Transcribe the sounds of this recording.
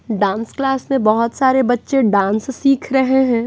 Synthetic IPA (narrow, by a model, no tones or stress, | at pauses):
ɖãːnsklaːsmẽbɐɦʊt̪saːɾebɐtːʃeɖãːnssiːkʰɾɐɦeɦɛ̃ː